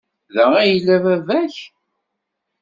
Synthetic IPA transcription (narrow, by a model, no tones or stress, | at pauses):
ðææjəlːævævæç